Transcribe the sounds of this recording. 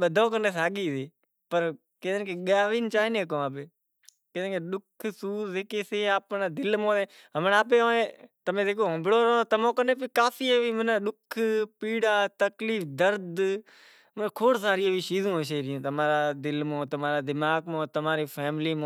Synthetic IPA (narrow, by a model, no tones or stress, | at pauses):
ɓəd̪ʱõːkəneːs̬aːɠiːseː | pəɾ | ked̪nkeɠaːʋiːnt͡ʃaːɪnẽːkõːaːp̬eː | kɪẽkeɗʊkʰsuːɾzeːkeːseːaːpnaːd̪ɪlmõːeː | ɦəmnaːpeːõːẽːt̪əmẽːd̪eːkoːɦə̃mbɽoːɾoːt̪əmõːkəneːp̬ɪkaːfiːeʋiːmənaɗʊkʰpiːɽaːt̪əkliːfd̪əɾd̪ | mənkʰoːɽsaːɾiʋiːʃiːzõːʃeːɾɪjũːt̪əmaːɾaːd̪ɪlmõːt̪əmaːɾaːd̪ɪmaːɡmõːt̪əmaːɾiːfʰɛːmɪliːmõː